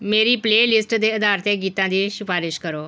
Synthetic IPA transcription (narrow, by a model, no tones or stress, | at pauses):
meːɾiːpleːlɪsʈd̪eːɪd̪aːɾt̪eɡiːt̪ãːd̪iːʃɪfaːɾɪʃkəɾoː